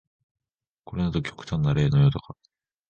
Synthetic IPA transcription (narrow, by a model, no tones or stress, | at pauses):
ko̞ɾe̞nat̪o̞kʲo̥kɯ̟̥t̪ãnːaɾe̞ːnojot̪o̞ka